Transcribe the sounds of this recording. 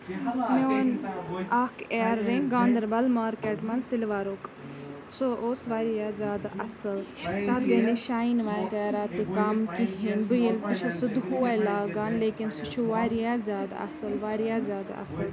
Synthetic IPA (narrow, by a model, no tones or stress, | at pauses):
meonaːkeːɾːẽŋɡãːnd̪ɐɾbɐlmaːɾkeːʈmɐnsɪlʋaːɾok | soʔoːsʋaːɾijaːzʲaːd̪aʔɐsɨlt̪ad̪ɡɐniʃaːinʋaːjkeːɾaːt̪ɨkamkiɦinbɨjelpɨt͡ʃʰɐsud̪huaːjlaːɡaːnleːkinsut͡ʃʰuʋaːɾijaːzʲaːd̪ɐ̰sɨlʋaːɾijaːzʲaːd̪a̰ɐ̰sɨl